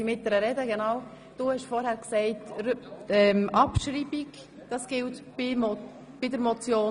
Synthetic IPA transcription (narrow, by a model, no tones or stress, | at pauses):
imɪt̚d̥ɛɾəɾɛdəɡenaːʊ | d̥uːhɛʃfɔɾhæːɾksɛɪt | ɛmʔɑpʃɾiːbik | d̥ɑsɡ̥ɪltbɪm | b̥ɪdəɾmɔt͡sjoː